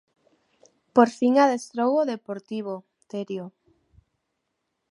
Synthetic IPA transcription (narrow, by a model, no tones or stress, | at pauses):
poɾfiŋaðest̪ɾowoðepoɾt̪iβ̞o | t̪eɾjo